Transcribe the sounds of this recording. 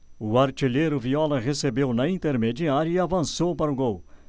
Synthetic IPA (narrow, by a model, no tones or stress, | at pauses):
ʊɐɾt͡ʃileɾʊviɔlɐɦesebewnɐĩnt̪eɾmed͡ʒiaɾjuiavɐ̃sopɐɾʊɡow